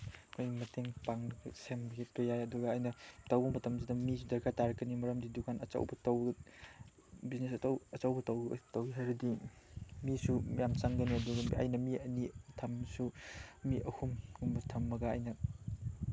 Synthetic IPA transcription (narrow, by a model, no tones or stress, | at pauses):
kʰojmɐtʰeŋpaŋɐɡɐsembɐɡʰitojajɐduɡɐːjnɐtɐwbɐmɐtɐmsʰidɐmisudɐɾkʰataɾɐkːɐnimɐɾɐmdidukʰanɐt͡ʃɐ̰wbɐtɐw | biznesɐtwɐt͡ʃɐwbɐtɐw̰tɐwiɦajɾɐdi | misumjamt͡ʃaŋɡɐniɐduɡɐɐ̰jnɐmiɐnitʰɐmsumiʔɐhumɡumbɐtʰɐmːɐɡɐa̰jnɐ